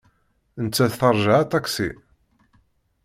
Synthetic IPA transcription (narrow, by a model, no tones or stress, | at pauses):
ənt͡sːæðθəɾˤʒaʕat̪ɑksḭ